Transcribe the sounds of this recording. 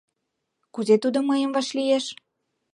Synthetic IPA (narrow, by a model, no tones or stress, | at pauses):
kuzet̪ud̪oməjə̆mvɑʃlijeʃ